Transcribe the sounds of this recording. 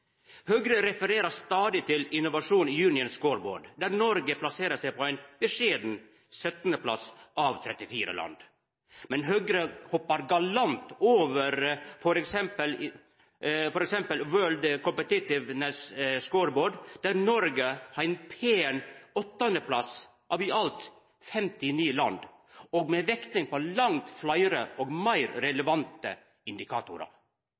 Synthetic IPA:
hœɡɾəɾɛfəɾeːɾəst̪ɑːd̪ɪt̪ʰɪlɪnːʊʋɑʂuːniːjʉːnɪənskoːɾbo̰ːɖd̪æɾnɔɾɡəpʰlɑseːɾəsæɪpʰɔæɪnb̥ɛʂeːd̪n̩ | sœt̪nəpʰlɑ̰sɑʋt̪ʰɾɛt̪ːɪfiːɾə̰lɑ̰nd̪ | mɛnɦœɡɾəhɔpːɑɾɡɑlɑnt̪oːʋəɾfɔɾɛksɛmpəl | fɔɾɛksɛmpəlwøːld̪kʰɔmpət̪ɪt̪ɪʋnɛsskoːɾboːɖd̪̥æɾnɔɾɡəhæɪnpʰeːɛnɔt̪ːɑnd̪əpʰlɑ̰s | ʔɑʋɪʔɑlt̪ | fɛmt̪ɪniːəlɑ̰nd̪ | oːɡmɛʋɛkt̪ɪŋpɔlɑŋt̪flɑɪɾəʔɔɡmæɪɾɾɛləʋɑnt̪ə̰ | ɪnd̪ɪkʰɑ̰ːt̪ʊɾɑ̰

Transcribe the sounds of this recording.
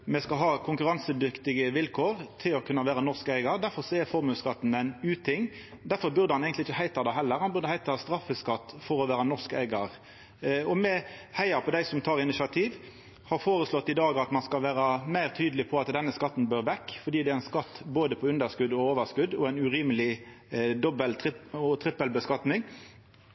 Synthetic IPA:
mɛskɑɦɑːkʰʊŋkʉɾɑnsəd̪ʏkt̪ɪɡəʋɪlkʰoːɾt̪ʰɪlɔkʰʉnːɑʋæːɾɑnɔʁskæɪɡɑʁd̪æɾfɔɾsɔɛfɔɾmʉːskɑt̪ːn̩æɪnʉːt̪ʰɪŋː | d̪æɾfɔɾbʉʁd̪əhɑnɛɡənt̪ɪɪçəhæɪt̪ɑd̪ɛɦɛlːəɾhɑnbʉʁd̪əhæɪt̪ɑhɑst̪ɾɑfːəskɑt̪ːfɔɾɔʋæːɾɑnɔʁskæ̰ɪɡɑʁ | ɔmɛhæɪɑɾpʰɔd̪æɪsɔmt̪ʰɑːʁɪnɪsɑt̪ʰiːʋ | hɑʁfoːʁəslɔt̪ːɪd̪ɑːɡɑt̪mɑnskɑlʋæːʁɑmæɪʁt̪ʰyːd̪əlɪpʰɔɑt̪d̪ɛnːəskɑt̪ːn̩bøːɾʋɛkːfɔd̪iːd̪ɛæænskɑt̪ːboːd̪əpʰɔʉnd̪əʁskʉd̪ɔoːʋəʁskʉd̪ɔæɪnʉɾiːməlɪ | d̪ɔbəlt̪ʰɪt̪ʰɾɪpːəlbəskɑt̪nɪŋ

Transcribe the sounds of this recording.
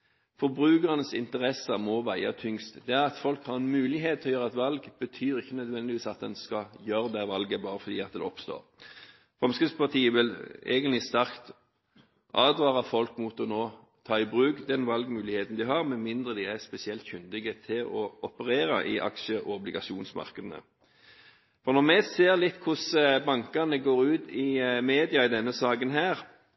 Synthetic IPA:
fɔɾbʁʉːkəʁənəsɪnt̪əʁɛsːəmɔʋæɪɑ̰t̪ʰʏŋst̪d̪ɛæʁɑt̪fɔlkhɑʁɛnmʉːlɪɦeːt̪ʰɔjøːʁɑɛt̪ʋɑlɡb̥ət̪ʰyːɾɪçːənœd̪ʋɛnd̪ɪʋiːsɑt̪̚d̪ɛnskɑjøːɾəd̪ɛʋɑlɡəbɑːɾəfɔʁd̪ḭːɑt̪̚d̪ɛ̰ɔpst̪o̰ːʁ | fʁɑmskʁɪspʰɑt̪ʰiːəʋɪlḛːɡənlɪst̪æʁkt̪ | ʔɑːʋd̪ʋɑːʁɑfɔlkmut̪ɔnoː | t̪ʰɑːɪbʁʉːkd̪ɛnʋɑlɡmʉːlɪheːt̪n̩d̪ɪɦɑʁmɛnmɪnd̪ʁəd̪ɪæspɛsɪɛlt̪çʏnd̪ɪɡət̪ʰɪlɔɔpəʁeːɾɑ̰ʔɪ̰ʔɑ̰kʃəʔɔɔblɪɡɑʃuːnsmɑ̰ʁkəd̪nə̰ | fɔʁnɔʁmɛseːʁlɪt̪ːkʰʊsbɑŋkɑnəɡoːʁʉːt̪ɪmeːd̪ɪɑɪd̪ɛnːəsɑːkənɦæːʁ

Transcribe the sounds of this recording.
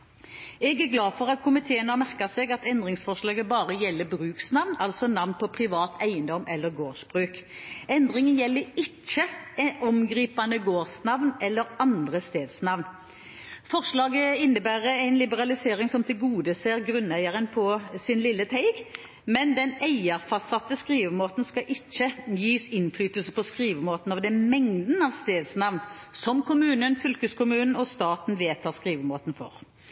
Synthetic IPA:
ɛɡæʁɡlɑːfɔʁɑt̪kʰʊmɪt̪ʰeːənɑmæʁkɑseːɡɑt̪ɛnd̪ʁɪŋsfɔʁʂlɑːɡəbɑːʁəjɛlːəbɾʉːksnɑʋnɑlsɔnɑʋnpʰɔpʰʁɪʋɑːt̪ʰæɪənd̪ɔmʔɛlːəʁɡoːʂbʁʉːkɛnd̪ʁɪŋənjɛlːəɾɪt͡ʃːəɔmɡɾiːpɑnəɡoːʁsnɑʋnɛlːəɾɑnd̪ʁəst̪eːd̪snɑʋn | fɔʁʂlɑːɡəɪnːəbæːʁəæɪnlɪbəʁɑlɪseːʁɪŋsɔmt̪ʰɪlɡuːd̪əseːʁɡɾʉnːæɪəʁənpʰɔsɪnlɪlːət̪ʰæɪɡ | mɛnd̪ɛnæɪəʁfɑsɑt̪ːəskʁiːʋəmoːt̪n̩skɑʔɪçːəjiːsɪnflyːt̪əlsəpʰɔskʁiːʋəmoːt̪n̩ɑʋd̪ɛnmɛŋd̪n̩ɑʋst̪eːd̪snɑʋn | sɔmkʰʊmʉːnənfʏlkəskʊmʉːnn̩ɔst̪ɑːt̪n̩ʋeːt̪ʰɑːʁskʁiːʋəmoːt̪n̩fɔ̰ʁ

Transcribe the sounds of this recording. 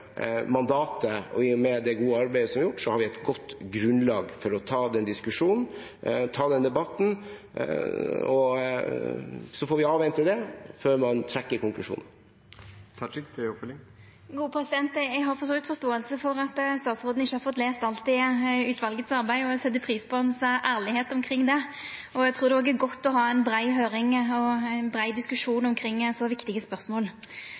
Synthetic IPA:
mɑnd̪ɑːt̪əɔ̰ɪʊmɛd̪ɛɡuːəɑɾbæɪəsɔmjʊʈːʂɔhɑɾʋɪɛt̪ɡɔt̪ːɡɾʉnlɑːɡfɔɾɔt̪ʰɑːd̪ɛnd̪ɪskʉʂuːnn̩ | t̪ʰɑːd̪ɛnd̪ɛbɑt̪n̩ | ɔ | sɔfɔɾʋɪɑːʋɛnt̪ʰːɪld̪ɛføːɾmɑnt̪ʰɾɛkːəɾkʊŋklʉʂṵːnənʰ | fl | ɡuːəpʰɾɛsɪd̪ɛnt̪æɡɦhɑɾfɔɾsoːʋɪt̪fɔst̪oːəlsəfɔɾɑt̪st̪ɑːt̪sʁoːd̪n̩ɪçːəhɑɾfɔt̪leːst̪ɑlt̪ɪʉːt̪ʰʋɑlɡət̪sɑʁbæɪɔsɛt̪ːəpʰɾiːspʰɔɛnsʔæːʁlɪheːt̪ɔmkʰɾɪŋːd̪ɛɔæɡt̪ʰɾuːʁd̪ɛoːɡæɾɡɔt̪ːɔɦɑːɛnbɾæɪɦøːɾɪŋɔnbɾæɪd̪ɪskʉʂuːnɔmkʰɾɪŋːɛsɔʋɪkt̪ɪɡəspœʁsmoːl

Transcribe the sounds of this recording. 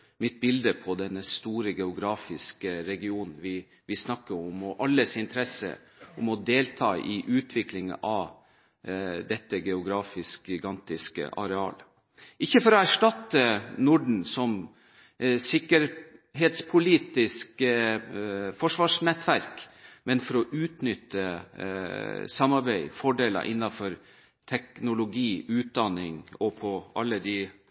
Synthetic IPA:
mɪt̪̚bɪld̪əpʰɔd̪ɛnːəst̪uːɾəɡɛʊɡɾɑːfɪskəɾɛɡɪuːnn̩ʋɪ | ʋɪsnɑkːəɾɔmɔʔɑlːəsɪnt̪ʰɾɛsə̰ | ɔmɔd̪eːlt̪ʰɑ̰ːʔɪʔʉːt̪ʰʋɪklɪŋɑ | d̪ɛt̪ːəɡɛʊɡɾɑːfɪsk̚ɡɪɡɑnt̪ɪskə̰ʔɑ̰ɾɛɑ̰ːl | ʔɪçːəfɔɾɔæʂʈɑt̪ːənʊɖɳ̩sɔm | sɪkəɾɦeːt̪spʰʊliːt̪ɪsk | fɔʂʋɑːʂnɛt̪ːʋæɾkmɛnfɔɾɔʔʉːt̪nʏt̪ːə | sɑmɑɾbæɪfɔɖeːlə̰ɾʔɪ̰nːɑfɔɾ | t̪ʰɛknʊlʊɡiːʉːt̪̚d̪ɑnɪŋɔpʰɔʔɑlːəd̪ɪ

